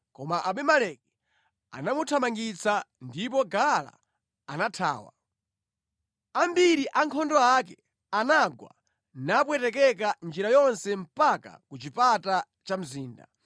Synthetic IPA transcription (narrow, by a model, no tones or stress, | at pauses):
kɔmaʔaɓɛmalɛk̚ɛ | a̰namutʰamaŋɡit͡sʰandip̬ɔɡala̰ː | natʰa̰ːwa̰ | ambiɾiʔaŋkʰɔndɔak̬ɛ | anaɡwa̰ | nap̬wɛtɛk̬ɛk̬and͡ʒiɾajɔnsɛm̩paka̰kut͡ʃipata | t͡ʃam̩ziːnda̰